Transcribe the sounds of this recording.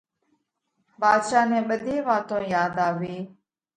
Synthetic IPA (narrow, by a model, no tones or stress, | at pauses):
baːd̪ʃaːnɛ̃ːɓəd̪ʱẽːʋaːt̪õːjaːd̪aːʋiː